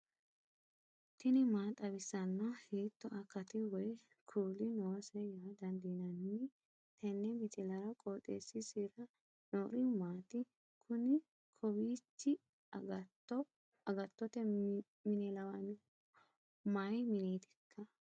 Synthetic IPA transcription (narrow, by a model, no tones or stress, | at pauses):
t̪ɪnɪmaːt̪ʼɐbɪsɐnːɐheːt̪ːɔʔɐkːɐt̪ɪwɔj | kʰuːlɪnoːsɛjaːd̪ɐnd̪inɐnːɪ | t̪ɛnːɛmɪt͡ʃʼɪlɐɾɐkʼoːt̪ʼːḛːsːɪsiɾɐ | noːɾɪmaːt̪ɪ | kʰʊnɪ | kʰɔbiːt͡ʃːɪ | ɐɡɐt̪ːɔt̪ɛ | mɪnɛlɐwɐn | majmɪniːt̪ɛ̥kʰːɐ